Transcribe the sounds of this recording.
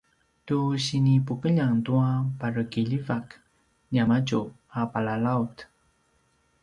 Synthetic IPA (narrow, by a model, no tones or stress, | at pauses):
tuɕinipukəʎaŋtuapaɾəkiʎivak | ɲamaɟu | apalalaut